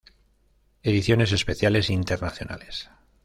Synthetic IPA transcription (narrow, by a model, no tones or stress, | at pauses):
e̞ðiθjo̞ne̞s̬e̞spe̞θjale̞sint̪e̞ɾnaθjo̞̰na̰le̞s